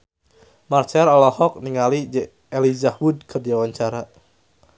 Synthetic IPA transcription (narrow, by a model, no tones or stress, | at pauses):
mart͡ʃɛɾalɔhɔk̚niŋalid͡ʒɛ | elizahwud̚kʰɨrdiawaɲt͡ʃaɾa